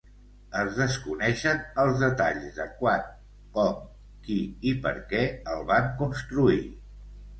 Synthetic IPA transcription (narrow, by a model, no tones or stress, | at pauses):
əzðəskunɛʃənəlˠzðət̪a̰ʎzðəkwan | kɔŋ | kiipə̰ɾkɛəlˠβaŋkunst̪ɾui